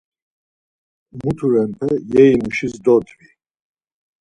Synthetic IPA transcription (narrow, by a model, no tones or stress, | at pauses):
mut̪ʰuɾɛnpʰɛjɛinuʃisd̪ɔt̪ʰvi